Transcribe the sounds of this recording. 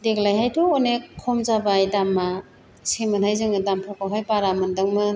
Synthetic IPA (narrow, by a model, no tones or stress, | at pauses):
deɡlajhajtɔːnekʰɔmzabajdamːa | semɯnhajzɯŋɯdampʰɔkawɦajpaɾamɯndɯŋmɯ